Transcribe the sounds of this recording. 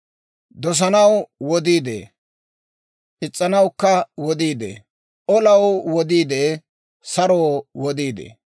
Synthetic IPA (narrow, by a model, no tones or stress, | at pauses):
d̪ɔs̬ɐnɐwwɔd̪iːd̪ḛː | ʔɪt͡sʼːɐnɐwkːɐwɔd̪iːd̪ḛː | ʔɔlɐwwɔd̪iːd̪eː | sɐɾoːwɔd̪iːd̪ḛː